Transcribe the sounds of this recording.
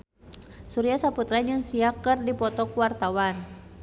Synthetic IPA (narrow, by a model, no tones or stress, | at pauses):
suɾiasaput̪ɾad͡ʒɨŋsiakːɨrdipɔt̪ɔkuwart̪awan